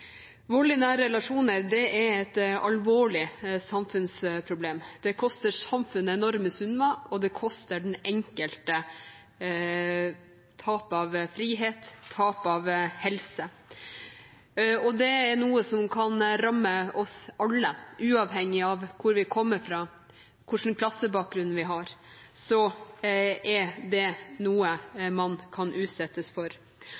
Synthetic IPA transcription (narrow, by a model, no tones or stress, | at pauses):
ʋoːɭɪnæːɾɾɛlɑʂuːnəɾd̪ɛɛɾɛt̪ɑ̰lʋoːɭɪsɑmfʉnspʰɾʊbleːmd̪̥ɛkʰɔst̪əsɑmfʉnəɛnɔɾməsʉnmɑɔd̪ɛkʰɔst̪əɖɛn̩ɛŋkəlt̪ə | t̪ʰɑːpɑʋfɾiːɦeːt̪ʰːɑːpɑʋhɛlsə | ɔd̪ɛæɾnuːəsɔmkʰɑnɾɑmːəɔsɑlːəʔʉːɑʋɦɛŋːɪɑʋkʰʊɾʋɪkʰɔmːəɾfɾɑ | kʰʊʂənkʰlɑsːəbɑːk̚ɡɾʉn̩ʋɪɦɑɾ | sɔ | ʔɛd̪ɛnuːəmɑnkʰɑnʔʉːt̪sɛt̪ːəsfɔɾ